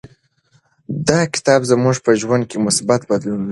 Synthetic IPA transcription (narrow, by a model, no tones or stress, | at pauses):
d̪ɑkɪ̥t̪ɑbzəmuʐpəʒwand̪̚kemʊsbat̪bad̪lun